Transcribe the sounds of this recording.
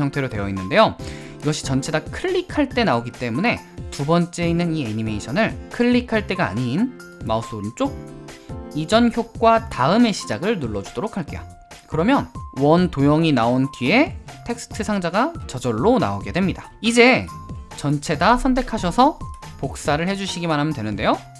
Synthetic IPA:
ʌŋtʰe̞ɾodwe̞jʌinːɯnde̞jo | iɡʌɕʰi̥t͡ɕʌnt͡ɕʰe̞dakʰɯʎːikʰaɭt͈e̞naoɡit͈e̞mune̞ | tubʌnt͡ɕ͈e̞inːɯnieɲime̞iɕʰʌnɯɭkʰɯɭːikʰaɭt͈e̞ɡa̰ːɲin | maus͈ʰont͡ɕ͈oɡ̚ | id͡ʑʌnçjok̚k͈wataɯme̞ɕʰi̥d͡ʑaɡɯɭnuɭːʌd͡ʑud̥oɾokʰaɭk͈e̞jo | kɯɾʌmjʌnwʌntojʌŋinaonkie̞tʰe̞k̚s͈ʰɯ̥tʰɯsʰaŋd͡ʑaɡat͡ɕʌd͡ʑʌɭːona̰oɡe̞dwe̞mɲida | id͡ʑe̞t͡ɕʌnt͡ɕʰe̞dasʰʌntʰe̞kʰaɕʰʌsʰʌpok̚s͈aɾɯɭhe̞d͡ʑuɕʰiɡimanɦamjʌndwe̞nɯndejo

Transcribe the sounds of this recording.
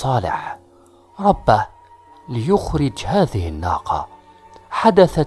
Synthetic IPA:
ɑːlɪ̰ħ | ɾˤɑbːa | lɪjʊxɾɪd͡ʒhaːðɪhɪnːɑ̰ːqʰɑ̰ | ħad̪aθa

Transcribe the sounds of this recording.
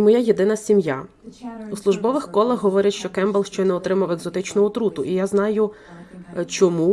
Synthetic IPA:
mɔjajed̪ɪnɐsʲimja̰ | uslˠʊʒbɔʋɪxkɔlˠɐɦɦɔʋɔɾʲɐʃt͡ʃɔkɛmbɐlˠʃt͡ʃɔjnɛɔt̪ɾɪmɐweɡzɔt̪ɪt͡ʃnɔɦɔt̪ɾut̪ʊʔijaznɑjʊ | t͡ʃɔmu

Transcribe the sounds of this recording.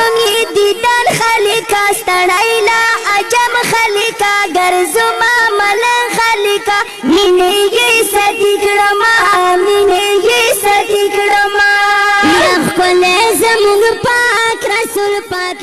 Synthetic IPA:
ŋid̪id̪anxalikast̪aɽajlaːd͡ʒamxalikaɡaɾzumamalanxalika | minejesad̪ikɽəmaminejesat̪ikɽəmajaxpəlezamuŋɡpakɾasulpak

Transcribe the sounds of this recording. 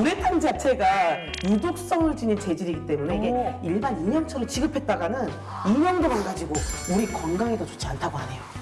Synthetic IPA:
uɾetʰand͡ʑat͡ɕʰe̞ɡajudok̚s͈ʌŋɯɭt͡ɕinint͡ɕe̞d͡ʑiɾiɡit͈e̞mune̞iɡe̞iɭbaniɲʌnt͡ɕʰʌɾʌt͡ɕiɡɯpʰe̞t̚t͈aɡanɯn | iɲʌŋdomaɭɡad͡ʑiɡouɾikʌnɡaŋedot͡ɕo̥t͡ɕʰiantʰaɡoɦane̞jo

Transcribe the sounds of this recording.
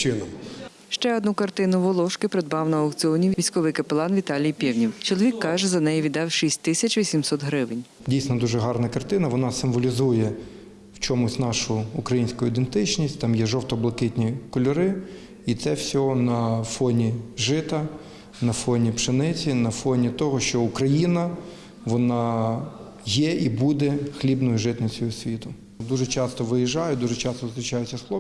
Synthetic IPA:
t͡ʃɪnɔm | ʃt͡ʃɛɔd̪nukɐrt̪ɪnʊʋɔlˠɔʃkɪpɾed̪̚bɑwnɐɐkt͡sʲɪɔnʲiʋʲisʲkɔʋɪjkɐpelˠɑnʋʲit̪ɑlʲijpʲiwnʲiwt͡ʃɔlˠɔʋʲikːɑʒɛzɐnɛjɛʋʲid̪ɑwʃisʲtʲt̪ɪsʲɐt͡ʃʋʲisʲimsɔt̪ɦɾɪʋɪnʲ | dʲijsʲnɐd̪uʒɛɦɑrnɐkɐrt̪ɪnɐʋɔnɑsɪmʋɔlʲizujɛ | wt͡ʃɔmʊsʲnɑʃʊːkɾɐjinʲsʲkʊjʊid̪ent̪ɪt͡ʃnʲisʲtʲt̪ɑmjɛʒɔwt̪ɔblˠɐkɪt̪ʲnʲikɔlʲʊɾɪ | it̪sɛwsʲɔɦɔnɐfɔnʲiʒɪt̪ɐ | nɐfɔnʲipʃɪnɪt͡sʲinɐfɔnʲit̪ɔɦɔʃt͡ʃɔʊkɾɐjinɐ | ʋɔnɑ | jɛʔibud̪ɛxlʲibnɔjʊʒɪt̪nɐsʲujʊsʲʋʲit̪ʊ | d̪uʒɛt͡ʃɑst̪ɔʋɪjiʒɑjʊd̪uʒɛt͡ʃɑst̪ɔzt̪ɾɪt͡ʃɑjʊt͡sʲːɐslˠɔ

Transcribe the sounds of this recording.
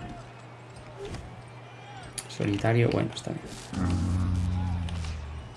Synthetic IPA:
so̰lit̪aɾjo̰wenoest̪a̰βjen

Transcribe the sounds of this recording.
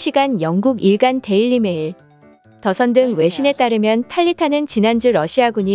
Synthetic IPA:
ɕʰiɡanjʌŋɡuɡiɭɡante̞iɭːime̞iɭ | tʌsʰʌndɯŋwe̞ɕʰine̞t͈aɾɯmjʌntʰaʎːitʰanɯnt͡ɕinand͡ʑuɾʌɕʰiaɡuɲi

